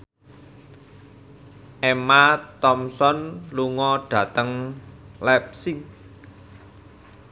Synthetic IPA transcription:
ʔemat̪ɔmsɔnluŋɔɖ̥ä̤t̪əŋlɛp̚siŋ

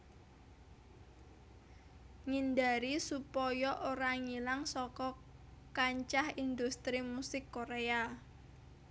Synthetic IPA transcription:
ŋindaɾisupɔjɔʔoɾaŋilaŋsɔkɔ | kaɲt͡ʃahind̪ust̪ɾimusɪkːoɾea

